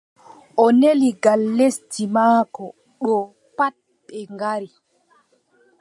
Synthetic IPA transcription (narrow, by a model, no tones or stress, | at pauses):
ʔɔneliɡalːestimaːkɔ | ɗɔ | pat̚ | ɓɛŋɡaɾi